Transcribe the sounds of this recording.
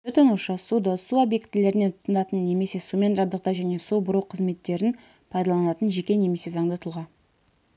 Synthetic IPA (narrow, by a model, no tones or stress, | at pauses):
t̪ʰɵt̪ənuʃəsud̪əsuobje̞kt̪ɪle̞ɾɪnet̪ʰʊ̥t̪ːənɑt̪ənːe̞me̞se̞sume̞nʒɑbd̪əq̚t̪ɑʒæne̞subʊɾuqʰəzme̞t̪ːe̞ɾɪn | pʰɑjd̪ɑlˠɑnɑt̪ənʒe̞kʲe̞ne̞me̞se̞zɑŋd̪ət̪ʰʊlˠʁɑn